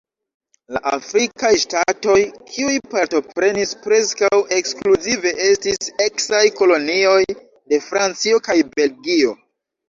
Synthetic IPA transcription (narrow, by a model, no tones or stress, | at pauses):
la̰ʔafɾikajstato̞jkʰiujpaɾto̞pɾe̞nispɾe̞skawʔe̞kskluzive̞ʔestise̞ksajko̞lo̞nio̞j | de̞fɾant͡sio̞kajbe̞lɡio̞